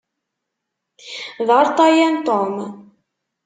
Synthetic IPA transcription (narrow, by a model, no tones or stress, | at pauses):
ðɑɾt̪ˤɑjænt̪om